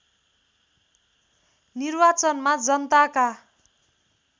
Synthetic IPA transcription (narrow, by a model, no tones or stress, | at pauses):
nirbat͡sʌnmad͡zʌnt̪aka